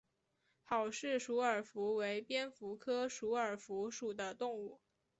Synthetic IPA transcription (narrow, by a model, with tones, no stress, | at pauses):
xɑ˨˩ʊʂɻ̩˥˩ʂu˧˥ə˞˨˩fu˧˥we˧˥ɪpjɛ˥nfu˧˥kʰɤ˥ʂu˧˥ə˞˨˩fu˧˥ʂu˨˩d̪ə˦t̪ʊ˥˧ŋu˥˩